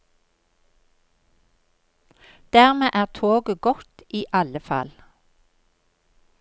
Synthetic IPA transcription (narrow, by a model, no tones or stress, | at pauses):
d̪̥æːʁmeːʔæːʁt̪ʰoːɡəɡɔt̪iːʔɑləfɑ̰l